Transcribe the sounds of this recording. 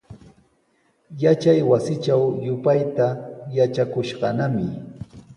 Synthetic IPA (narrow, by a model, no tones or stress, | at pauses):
jat͡ʃajwasɪt͡ʃawjʊpajt̪ajat͡ʃakʊʃɢɑnamɪ